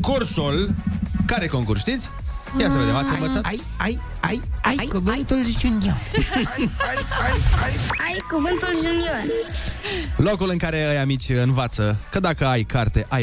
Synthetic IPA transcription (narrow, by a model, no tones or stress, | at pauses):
kursulkaɾe̞ko̞ŋkursʃt̪it̪sʲ | jasəved̪evat̪əvəsataj | aj | ajajkuvɨnt̪ulzit͡ʃuna | ajkuvɨnt̪ulʒunior | lo̞kulɨŋkaɾe̞ajamit͡ʃʲɨnvat̪səkəd̪akəajkart̪e̞ʔaj